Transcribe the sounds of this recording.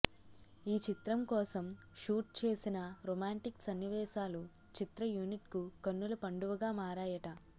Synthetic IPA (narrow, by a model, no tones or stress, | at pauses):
iːt͡ʃit̪ɾɐmkɔːsɐm | ʃuːʈ̚t͡ʃe̞ːsinɐɾɔːmaːɳʈiksɐnːiʋɛːʃaːlu | t͡ʃit̪ɾɐjuːniʈkukɐnːulɐpɐɳɖuʋɐɡaːmaːɾaːjɐʈɐ